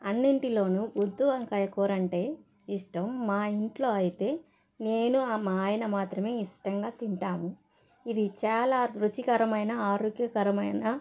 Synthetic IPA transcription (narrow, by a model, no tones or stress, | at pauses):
ɐnːiɳʈilo̞ːnuud̪ːuʋɐŋkɐjɐkɔːɾɐɳʈe̞ː | iʂʈɐmːaːiɳʈlo̞ːɐjit̪e̞ː | ne̞ːnuaːjɐnɐmaːt̪ɾɐme̞ːiʂʈɐŋɡaːt̪iɳʈaːmu | id̪it͡ʃaːlaːɾut͡ʃikɐɾɐmɐjnɐaːɾoːɡjɐkɐɾɐmɐjnɐ